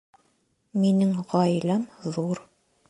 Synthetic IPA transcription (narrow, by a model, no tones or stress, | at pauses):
minɘŋʁɑjlɑmðuɾ